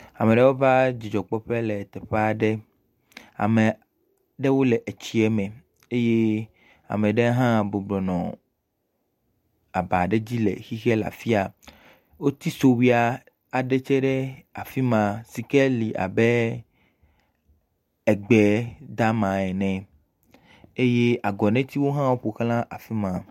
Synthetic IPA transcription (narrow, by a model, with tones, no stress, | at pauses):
a˨mɛ̃˨ɖɛ˦wo˦va˦d͡ʑi˨d͡ʒɔ˨k͡pɔ˦ɸɛ˦lɛ˨t̪ɛ˨ɸe˦a˨ɖɛ˦ | a̰˨mɛ̃˨ | ɖɛ˦wo˦lɛ˨ʔe˨t͡ɕi˨ɛ˦mɛ̃˨ | e˦je˦ | a̰˨mɛ̃˨ɖe˦ɦã˦bo˨blɔ˨nɔ̰̃˨ | a˨ba˨ɖe˦d͡ʑi˦lɛ̰˨xi˦xɛ˦la̰˨fi˦a˨ | wo˦t̪i˦so˨wi˦a˨ | a˨ɖɛ˦t͡ʃɛ˦ɖɛ˦a˨fi˦mã˨si˨kɛ˦li˨ʔa̰˨bɛ˦ | ɛ˨ɡ͡bɛ˨d̪a˦mã˨ɛ˨nɛ̃˨ | e˦je˦ʔa˨ɡɔ˨nɛ̃˦t̪i˦wo˦ɦã˦wo˦ɸo˨xl̃ã˦ʔa˨fi˦mã˨